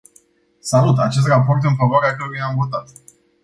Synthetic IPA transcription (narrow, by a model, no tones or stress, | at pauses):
salut̪at͡ʃe̞s̬t̪rapo̞rt̪ɨnfavoaɾeakəɾoujamvo̞t̪at̪